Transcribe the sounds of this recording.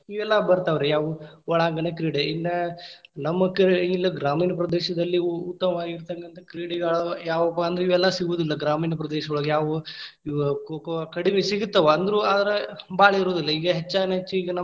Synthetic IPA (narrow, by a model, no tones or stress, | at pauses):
iʋɛlːɐbɐɾt̪aːʋɐɾejaːʋuʋɐɭaːɡɐnekɾiːɽeinːɐnɐmːɐkɐilːɐɡɾaːmiːnɐpɾɐd̪ɛːʃɐd̪ɐlːiut̪ːɐmɐʋaːɡiɾt̪ɐkːɐnt̪ʰɐkɾiːɽɛɡɐɭɐjaːʋɐpːɐɐnd̪ɾiʋɛlːɐsiɡuːd̪ilːɐɡɾaːmiːnɐpɾɐd̪ɛːʃɐɡɐɭɐɡejaːʋuikokɐkɐɽimesiɡut̪ːɐʋɐɐnd̪ɐɾuaːd̪ɐɾebaːɭeiɾoːd̪ilːɐiːɡɐɦet͡ʃːaːɡneɦet͡ʃːuːɡɐnɐ